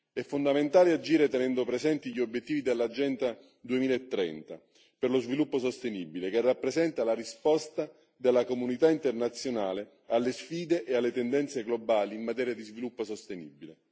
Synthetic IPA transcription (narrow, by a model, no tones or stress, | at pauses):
ɛfːond̪ament̪aːlead͡ʒiːɾet̪enɛnd̪opɾezɛnt̪iʎiobjet̪ːiːvid̪elːad͡ʒɛnt̪a | d̪uemiːlaet̪ːɾɛ̰nt̪a | perlozvilupːosost̪eniːbilekerːapːɾezɛnt̪alaɾispɔst̪a | d̪elːakomunit̪aint̪ernat̪sːjonaːle | alːesfiːd̪eʔealːet̪ɛnd̪ɛnt̪seɡlobaːliːmmat̪ɛːɾjad̪izvilupːosost̪enḭbile